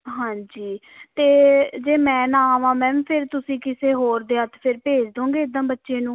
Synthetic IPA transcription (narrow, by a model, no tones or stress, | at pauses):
ɦãːɲd͡ʒiː | t̪eːd͡ʒeːmɛ̃ːnãːʋãːmɛ̃ːʋpʰɪɾt̪ʊsĩːkɪseːɦoːɾd̪eːət̪pʰɪɾpeːd͡ʒd̪õːŋɡeːɪd̪ə̃ːbətːʃeːnũː